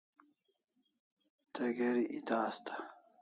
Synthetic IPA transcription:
t̪ɐɡeɾiʔit̪aːst̪ʰḁ

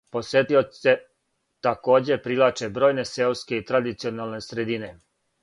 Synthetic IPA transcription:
po̞sjet̪io̥se | t̪ako̞ːd͡ʑe̞pɾilˠat͡ʃebɾo̞ːjne̞selske̞it̪ɾad̪it̪sio̞naːlˠne̞sɾed̪ine̞

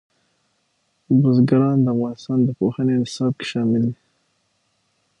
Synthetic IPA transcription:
buzɡaɾɑnd̪əavɣɑnɪst̪ɑnd̪əpoxənenɪɪsɑb̚ke̥ʃɑmɪld̪i

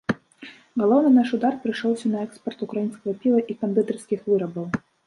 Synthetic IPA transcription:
ɣɐlˠɔwnɨnaʂud̪arpɾɨjʂɔwsʲɐnɐɛkspɐrt̪ukɾajinskɐɣɐpʲivɐʔikɐmʲpʲb̪ʲut̪ɛrskʲixvɨɾɐbɐw

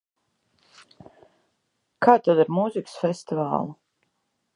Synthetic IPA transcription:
kaːt̪ad̪iɾmuziksfest̪iva̰ːlˠu

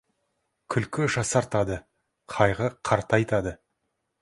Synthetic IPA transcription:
kʲʰʏlkʲɪʒɑsɑɾt̪ɑd̪ə | qʰɑjʁəqʰɑɾt̪ɑjt̪ɑd̪ə

